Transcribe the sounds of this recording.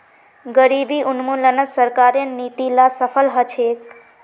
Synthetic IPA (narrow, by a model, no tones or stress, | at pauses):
ɡəɾibiʔunmulənəsəɾkaɾenit̪ilasəpʰəlɦət͡ʃʰek